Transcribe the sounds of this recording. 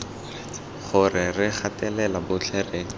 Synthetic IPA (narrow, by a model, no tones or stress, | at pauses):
χʊrɪrɪχatɛlɛlabʊt͡ɬʰɛreːŋ̩